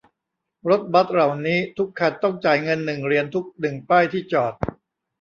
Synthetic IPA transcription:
ɾo˦˥t̪̚ba˦˥t̪̚ɾa˨˩wniː˦˥t̪ʰu˦˥kʰːa˧˩nt̪ɔ˥˩ŋt͡ɕaː˨˩jŋɤ˧nːɯ˨˩ŋɾi˧ənt̪ʰu˦˥k̚nɯ˨˩ŋpaː˥˩jt̪ʰiː˥˩t͡ɕɔː˨˩t̪̚

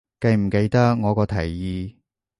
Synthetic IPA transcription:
kɐ˧jm̩˨˩ke˨˧jt̪ɐ˥k̚ŋɔː˨˧kɔː˧t̪ʰɐ˨˩jːiː˧

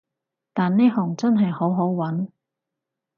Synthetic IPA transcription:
t̪aː˨nːe˥ɦɔ˨˩ŋt͡sɐ˥nɦɐ˨jho˨˥wɦo˨˥wwɐ˨˥n

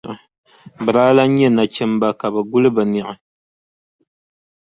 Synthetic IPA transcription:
bɨ˨ɾaː˦la˦ɲɛ˦˨na˨t͡ʃɛ˦mba˦ka˨bɨ˨ɡʊ˦lɨ˦bɨ˨ni˨ʔa˨

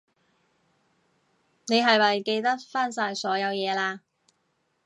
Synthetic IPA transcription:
ne˨˧jɦɐ˨jmɐ˨jke˧jt̪ɐ˥t̚faː˥nsaː˧jsɔː˨˥jɐ˨˧wjɛː˨˧laː˧

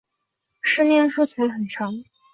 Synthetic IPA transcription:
ʂɻ̩˥njɛ˥˧nʂu˥˩t͡sʰu˧˥xə˨˩nʈ͡ʂʰɑ˧˥ŋ

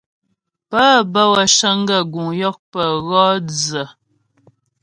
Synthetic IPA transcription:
pə˦bə˦wə˨ʃə˦ŋ˦ɡə˦˨ɡu˨ŋjɔ˦k̚pə˨ɣɔ˦d͡zə˨

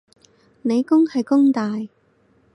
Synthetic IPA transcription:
ne˨˧jkʊ˥ŋhɐ˨jkʊ˥ŋt̪aː˨j

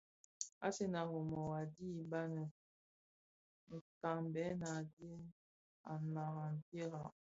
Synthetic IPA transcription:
a̰˦se˦na˨ɣo˨mɔ˨wa˨di˦ba˦nə˨ | ŋ̩˨ka˨ŋbɛ˨˦na˨dje˦ | a˨na˨ɣa˨n˨te˦ɣa˨

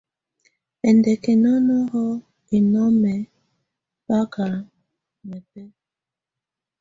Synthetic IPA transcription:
ɛ˨ndɛ˨kɛ˨nɔ˦nɔ˦ɦɔ˦ | i˨nɔ˦mɛ˨ | pa˦ka˨ | mɛ˨pɛ˦

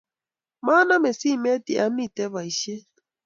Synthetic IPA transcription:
ma˦na˦me˨si˦˨me˦ti˨ʔa˦m˦i˨te˦βa˨i˨ʃe˦

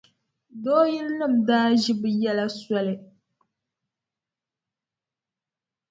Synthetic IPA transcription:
doː˦ji˦lnɨ˦˨mdaː˦ʒi˦bɨ˨jɛ˦la˦swɔ˦lɨ˨

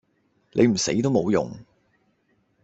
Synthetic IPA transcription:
lʔe˨˧m̩˨˩se˨˧˥jt̪o˥wmo˨˧wjʊ̰˨˩ŋ

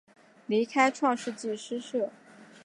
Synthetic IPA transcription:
li˧˥kʰa˥ɪʈ͡ʂʰwɑ˥˧ŋʂɻ̩˥˧t͡ɕi˥˩ʂɻ̩˥ʂɤ˥˩

